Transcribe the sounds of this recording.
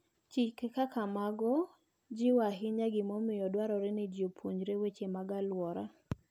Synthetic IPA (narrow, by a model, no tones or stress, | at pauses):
t͡ʃɪkːekakamaɡɔ | d͡ʒɪwaɦɪɲaɡɪmɔmɪjɔdwaɾɔɾɛnɪd͡ʒopʰoɲd͡ʒɾewet͡ʃemaɡalwɔɾa̰